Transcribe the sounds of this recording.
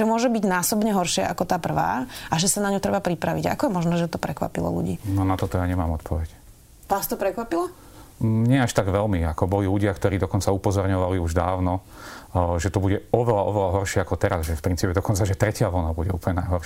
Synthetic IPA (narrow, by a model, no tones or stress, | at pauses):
ʒɛmʊɔʒɛbiɟnaːsɔbɲɛɦɔɾʃɪɛʔakɔt̪aːpr̩ʋa̰ːʔaʒɛsanaɲut̪ɾɛbapɾipɾaʋiɟaa̰kɔjɛmɔʒnɛːʒɛt̪ɔpɾɛkʋa̰pilɔ̰lṵɟḭːnɔnat̪ɔt̪ɔjaːɲɛmaːmɔt̪pʰɔʋɛc | ʋast̪ɔpɾɛkʋapila | ɲɪɛaʃt̪aɡʋɛlmiakɔbɔliluɟɪakt̪ɔɾiːd̪ɔkɔnt͡saupɔzɔɾɲɔʋaliuʒd̪aːʊnɔ | ʒɛt̪ɔbuɟɛɔʋɛlaʔɔʋɛlaɦɔɾʃɪɛakɔt̪ɛɾazʒɛfpɾint͡siːpɛd̪ɔkɔnt͡saʒɛt̪ɾɛcɪaʋɔlnabuɟɛṵːplɲɛnajɦɔɾʃ